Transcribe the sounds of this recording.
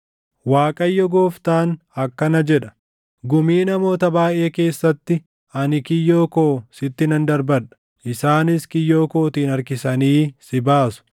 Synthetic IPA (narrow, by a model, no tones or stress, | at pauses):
waːkʼɐjːɔɡoːft̪aːn | ɐkːɐnɐd͡ʒɛᶑɐ̥ | ɡʊmiːnɐmo̞ːt̪ɐbaːjʔe̞ːke̞ːsːɐt̪ːɪ | ɐnɪkɪjːo̞ːko̞ːsɪt̪ːɪnɐnd̪ɐɾbɐᶑɐ̥ | ʔɪsaːnɪskɪjːo̞ːko̞ːt̪iːnɐɾkɪsɐniːsɪbaːsʊ̥